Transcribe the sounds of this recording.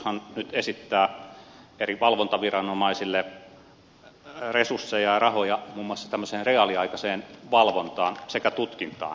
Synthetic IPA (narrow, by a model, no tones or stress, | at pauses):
hɑnnyt̪esit̪ːæː | eriʋɑlʋont̪ɑʋirɑnomɑisilːe | resursːejɑjrɑhojɑmuːmːŭɑsːɑ̥t̪æmːøseːnreɑliɑikɑseːnʋɑlʋont̪ɑːnsekæt̪ut̪kint̪ɑ̰ː